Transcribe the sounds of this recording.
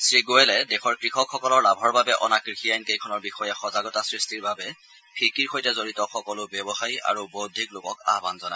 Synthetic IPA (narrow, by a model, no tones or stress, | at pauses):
sɹiɡoɛlɛdɛxɔɹkɹixɔkxɔkɔlɔɹlabʱɔɹbabɛʔɔ̰nakɹixijajnkejkʰɔnɔɹbixɔjɛxɔzaɡɔtasɹistiɹbabɛ | pʰikiɹxojtɛzoɹitɔxɔkɔlʊbjɛbɔxaja̰ɹubodʱiklokɔka̰ɦbanzɔna